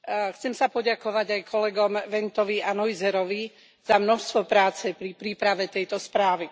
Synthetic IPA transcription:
xt͡sɛmsapɔɟakɔʋaɟajkʰɔlɛɡɔmʋɛnt̪ɔʋianɔjzɛɾɔʋi | z̥amnɔʃst̪ʋɔpɾaːt͡sɛpɾipɾiːpɾaʋɛt̪ɛjt̪ɔspɾaːʋi

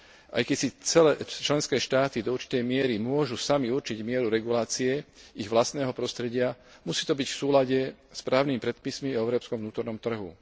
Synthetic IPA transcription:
ʔa̰jkɛcsit͡sɛlɛt͡ʃlɛnskɛːʃt̪aːt̪id̪ɔuɾt͡ʃi̥t̪ɛjmɪɛɾimʊɔʒusamiuɾt͡ʃiɟmɪɛɾuɾɛɡulaːt͡siɛiɣʋlast̪nɛːɦɔpɾɔst̪ɾɛɟɪa | musiːt̪ɔbicfsuːlaɟɛspɾaːʊnimipɾɛt̪̚pismiɔɛʊɾɔːpskɔmʋvnuːt̪ɔɾnɔmt̪r̩ɦṵ

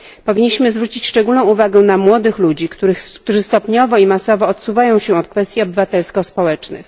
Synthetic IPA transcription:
pɔvʲiɲːiɕmɘzvɾut͡ɕit͡ɕʂt͡ʂɛɡulnɔ̃w̃uvaɡɛ̃namwɔd̪ɘxlud͡ʑikt̪uɾɘk̚t̪uʐɘst̪ɔpɲɔvɔimasɔvɔːt̪suvajɔ̃w̃ɕɛɔt̪̚kfɛst̪jiɔbɘvat̪ɛlskɔspɔwɛt͡ʂnɘ̰x

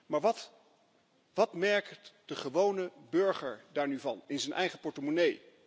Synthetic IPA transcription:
maːɹʋɑt | ʋɑtmɛɹktd̥əχəʋownəbɵɹχəɹdaːɹnyvɑ̰nɪnzənʔɛjχəpɔɹtəmonej

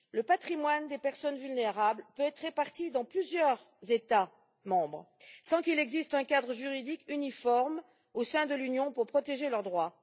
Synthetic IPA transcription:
ləpat̪χimwand̪epɛʁsɔnvylneʁablpøɛt̪χʁepaʁt̪id̪ɑ̃plyzjœʁ | zet̪a | mɑ̃bʁsɑ̃kilɛɡzist̪ɛ̃kad̪ʁəʒyʁid̪ikynifɔʁm | osɛ̃d̪əlynjɔ̃puʁpχɔt̪eʒelœʁd̪ʁwa

